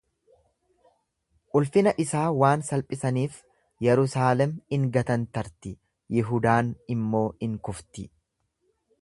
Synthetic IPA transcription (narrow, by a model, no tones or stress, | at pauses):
ʔʼʊlfɪnɐʔɪsaːwaːnsɐlpʼɪsɐniːf | jɛɾʊsaːlɛmɪŋɡɐt̪ɐnt̪ɐɾt̪ɪ | jɪɦʊd̪aːnɪmːo̞ːɪŋkʊft̪ɪ